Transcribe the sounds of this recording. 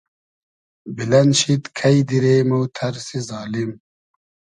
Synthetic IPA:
bilɐnɕit̪kʰɐjd̪iɾeːmut̪ʰɐɾsizaːlim

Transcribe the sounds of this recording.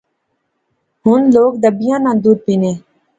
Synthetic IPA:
ɦʊnloːɡd̪əbɪjãːnãːd̪uːɾpiːneː

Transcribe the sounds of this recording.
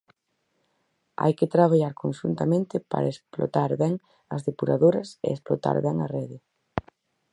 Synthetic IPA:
a̰jkɪt̪ɾaβaʎaɾkonʃunt̪amẽnt̪ɪpa̰ɾaesplo̰t̪aɾβɛŋ | ɐzðepuɾaðoɾɐsḛesplot̪a̰ɾβɛŋɐrɛðɪ

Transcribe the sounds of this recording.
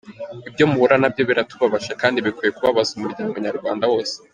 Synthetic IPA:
ibɟo̞muβuɾanabjo̞βiɾatuβaβaʃakaːndiβikwije̞kuβaβazumuɾɟaːɡmuɲaɾɡwaːndawo̞ːse̥

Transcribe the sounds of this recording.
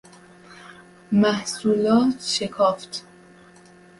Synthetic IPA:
mæhsuːlɒːt̪ʰʃe̞kʰɒːft̪ʰ

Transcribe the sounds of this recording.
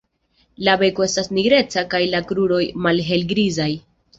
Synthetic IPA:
labe̞koe̞stasniɡɾe̞t͡sakajlakɾuɾo̞jmalɦe̞lɡɾizaj

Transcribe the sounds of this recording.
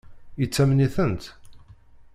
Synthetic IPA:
ət͡sːæmniθənt̪

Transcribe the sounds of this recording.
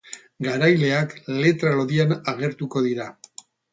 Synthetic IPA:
ɡaɾajle̞akle̞t̪ɾalo̞ðianaɣ̞e̞ɾt̪uko̞ðiɾa

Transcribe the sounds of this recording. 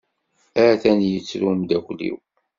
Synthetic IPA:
æʕθænjət͡sːɾumd̪æklḭw

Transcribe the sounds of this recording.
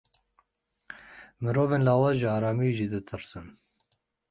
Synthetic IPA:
mɨɾoːveːnlɑːwɑzʒɨɑːɾɑːmiʒid̪ɨt̪ʰɨɾsɨn

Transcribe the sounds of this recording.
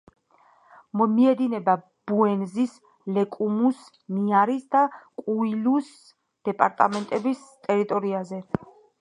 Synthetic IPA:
mɔmiɛd̪inɛba | b̥uɛnzis | lɛkʼumus | niaɾisd̪akʼuilus | d̪̥ɛpʼaɾt̪ʼa̰mɛnt̪ʼɛbist̪ʼɛɾit̪ʼɔɾiazɛ

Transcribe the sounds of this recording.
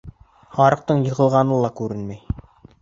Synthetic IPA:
hɑɾɤ̆q̚t̪ɤɴjɤ̆ʁɤ̆lˠʁɑnɤlˠɑkʉɾɘnmæj

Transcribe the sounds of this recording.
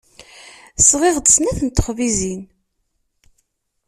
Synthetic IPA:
sʁeʁd̪əsnæθənt̪ːə̥χvizin

